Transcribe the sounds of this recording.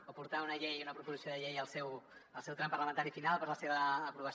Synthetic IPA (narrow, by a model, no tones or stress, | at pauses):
opuɾt̪aunəʎejunəpɾupuzisioðəʎejəlˠsɛwəlˠsɛwt̪ɾɛmpərləmənt̪aɾifinalˠpəɾzləseβəːpɾuβəs